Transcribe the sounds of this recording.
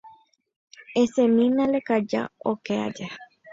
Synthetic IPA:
esẽmĩnãlekad͡ʒa̰okea̰d͡ʒe

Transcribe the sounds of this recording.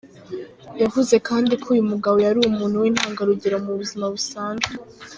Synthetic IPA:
javuze̞kʰaːndikʰuːjumuɡaβo̞jaɾuumuːn̥huwiːn̥haːŋɡaɾuɟiɾamuβuzimaβusaːnzu

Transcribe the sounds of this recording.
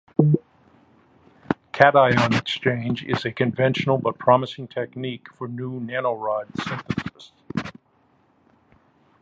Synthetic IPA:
kʰæɾaɪə̃nɨkst͡ʃʰẽɪ̃nd͡ʒɪ̰zɨkʰɨ̃ɱvɛ̃nʃn̩l̩ˠbʌt̚pʰɹ̥ɑməsɪ̃ŋtʰɛknikfə˞nunænoɹaɪd̥sɪ̃nθɨsɨst

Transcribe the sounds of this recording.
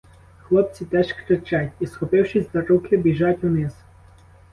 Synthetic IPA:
xlˠɔpt͡sʲit̪ɛʃkɾɪt͡ʃatʲisxɔpɪwʃɪsʲd̪ɐɾukɪbʲiʒatʲunɪs

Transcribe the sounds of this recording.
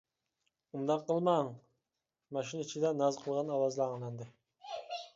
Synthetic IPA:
umd̪ɑqːəlˠmɑŋ | mɑʃinit͡ʃʰid̪ɛnɑzqʰəlˠʁɑnɑwɑzlˠɑŋlˠɑnd̪ɨ

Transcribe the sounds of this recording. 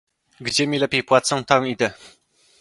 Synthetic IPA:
ɡd͡ʑɛmʲilɛpʲejpwat̪sɔ̃w̃t̪amid̪ɛ

